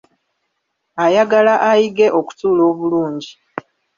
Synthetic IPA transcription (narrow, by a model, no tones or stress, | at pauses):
ajaɡalaʔajiɡe̞ʔo̞ku̥tuːlo̞ːβuluːɲɟi